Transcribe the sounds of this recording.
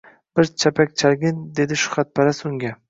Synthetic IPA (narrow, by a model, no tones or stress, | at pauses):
b̥ɪɾt͡ʃʰapʰakʲt͡ʃʰalɡʲɪnd̪e̞d̪ɪʃʊ̥χat̪̚pʰaɾasʊŋɡʲa